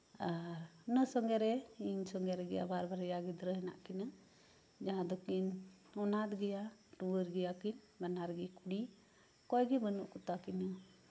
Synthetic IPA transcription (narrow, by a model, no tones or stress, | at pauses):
aɾnəsɔŋɡɛɾɛiɲsɔŋɡɛɾɛɡɛja̰baɾbaɾɛjaɡɛd̪ɾəɦɛna̰ʔkina | d͡ʒaɦãd̪ɔkinɔnat̪ɡɛjaʈubəɾɡɛjakin | banaɾɡɛkuɽi | kɔjɡɛbənuʔkut̪akina